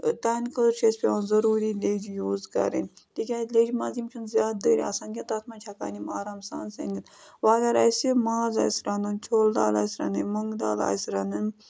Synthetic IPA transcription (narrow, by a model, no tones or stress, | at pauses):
t̪ankəɾʃespʲeoːnzɐɾuːɾiːleːd͡ʒjuːzka̰ɾḭnt̪ikʲaleːd͡ʒimaːzimt͡ʃʰunzʲjaːd̪̚d̪əːɾ̰ʲɐsaːnɡʲet̪ɐt̪ʰmãt͡ʃʰaka̰ːnimaːɾaːmsa̰ːnsḛŋɡɨt̪ʋaːlaːɾa̰ːsimaːza̰ːsɾaːnɨnt͡ʃʰoːld̪a̰ːla̰ːsɾa̰nɨməŋɡd̪a̰ːla̰ːsɾanɨn